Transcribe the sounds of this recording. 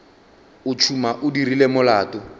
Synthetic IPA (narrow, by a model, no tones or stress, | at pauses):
ʊt͡ʃʰumaʔʊdirilemʊlaːtʼɔ